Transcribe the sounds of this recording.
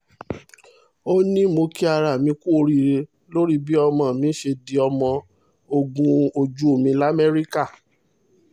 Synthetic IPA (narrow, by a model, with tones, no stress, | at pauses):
o˦nĩ˦mo˧ki˦a˧ɾa˨mĩ˧˦ku˦o˧ɾi˦˨ɾe˧ | lo˦ɾi˦bi˦ɔ˧mɔ̃˨mĩ˨˦ʃe˧di˧ɔ˧mɔ̃˧ | o˧ɡũ˧o˧d͡ʒu˦o˦˨mĩ˧la˦mɛ˦ɾi˦ka˦˨